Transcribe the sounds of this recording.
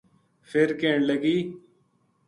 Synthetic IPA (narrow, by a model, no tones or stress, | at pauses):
fʰɪɾkeːɳləɡiː